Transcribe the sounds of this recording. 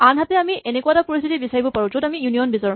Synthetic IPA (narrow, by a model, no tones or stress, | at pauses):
anɦatɛamienekuatapoɹist̪ʰitibisaɹibɔpaɹũtotamijuniɔnbizaɹɔ